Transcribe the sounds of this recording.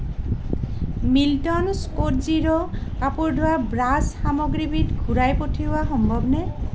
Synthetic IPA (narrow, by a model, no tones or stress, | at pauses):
miltɔnskotziɹɔkapuɹdʱoabɹasxamɔɡɹibʱitɡʱuɹajpotʰiʊaxɔmbʱɔbnɛ